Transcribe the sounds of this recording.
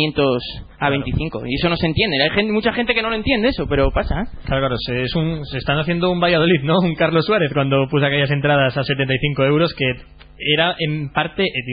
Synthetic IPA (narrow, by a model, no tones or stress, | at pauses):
ent̪os | aβent̪iθiŋko̰iesonose̞nt̪jend̪eajxenmut͡ʃaxent̪ekenoloent̪jend̪eesope̞ɾopasaklaɾokaɾoseesuŋsest̪aŋaθjend̪oumbajað̞oliðnõuŋkaɾlosːwaɾeθkwand̪opus̬akeʎas̬e̞nt̪ɾað̞asaset̪ent̪ajθiŋkoewɾoske | eɾaʔempaɾt̪eʔet̪i